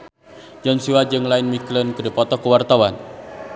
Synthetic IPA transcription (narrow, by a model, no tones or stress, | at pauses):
d͡ʒɔnsiwad͡ʒɨŋlaɪnmiklənkədipɔt̪ɔkəwart̪awan